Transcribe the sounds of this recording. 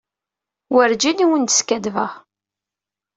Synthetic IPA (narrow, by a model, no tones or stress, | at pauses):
wəɾd͡ʒiniwənt̪ə̥skæd̪vəʁ